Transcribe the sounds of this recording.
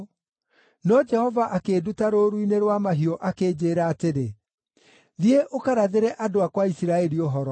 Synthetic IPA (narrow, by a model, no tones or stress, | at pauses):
nɔd͡ʒɛhɔvaʔakeːdutaɾoɾuineɾwamaɦiɔʔakeːd͡ʑeːɾaːteɾe | ðieʔokaɾaðeɾɛʔadoakwaisiɾaɛɾioɦɔɾɔ